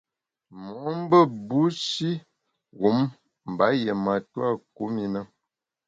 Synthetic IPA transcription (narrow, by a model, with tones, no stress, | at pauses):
mɔ˨˦m˦bə˦bu˦ʃi˦ | ɣu˨˦m | m̩˨ba˨˦je˨ma˨twa˦ku˨˦mi˦nə˦